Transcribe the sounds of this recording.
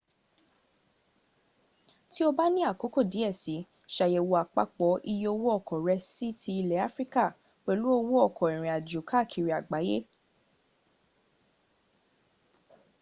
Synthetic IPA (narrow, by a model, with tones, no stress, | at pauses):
ti˦o˧ba˦nĩ˦a˦˨ko˨˦ko˦˨di˨˦ɛ˦˨si˨˦ | ʃa˧je˧˨wo˧a˨k͡pa̰˦k͡pɔ˨˦ʔi˧jo˧wo˦ɔ˦˨kɔ˨ɾɛ˧si˦tʰi˧i˧lɛ˨˦a˦fɾi˦ka˦˨ | k͡pɛ˧lu˨˦o˧wo˦ɔ˦˨kɔ̃˨i˨ɾ̃ɛ̃˨a˨d͡ʒu˨˦ka˦˨kʰi˨ɾi˨a˨ɡ͡ba˨˦je˦